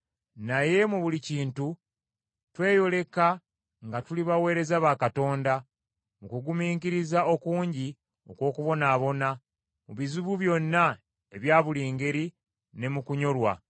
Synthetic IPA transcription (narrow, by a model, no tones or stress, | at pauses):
naje̞muβuliciːntu | twe̞ːjo̞le̞ka | ŋɡatuliβawe̞ːɾe̞zaβakato̞ːnda | mukuɡumiːŋkiɾizao̞kuːɲɟi | o̞kwo̞ːkuβo̞naːβo̞na | muβizuβuβjo̞nːa | eβjaːβuliːŋɡe̞ɾi | ne̞mukuɲo̞lwa̰